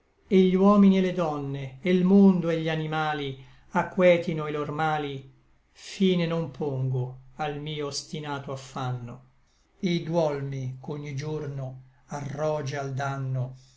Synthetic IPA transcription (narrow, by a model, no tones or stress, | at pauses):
eʎiwɔːminiɛled̪ɔnːeːlmond̪oeʎːianimaːli | akːwɛːt̪inoelormaːli | fiːnenompʰoŋɡoalmiːoːst̪inaːt̪oafːanːo | ed̪wɔlmikoɲːid͡ʒornoarːɔːd͡ʒeald̪anːo